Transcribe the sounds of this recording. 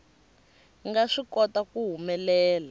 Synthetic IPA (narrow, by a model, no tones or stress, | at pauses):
ŋɡaʂikɔtakuɦumɛlɛːla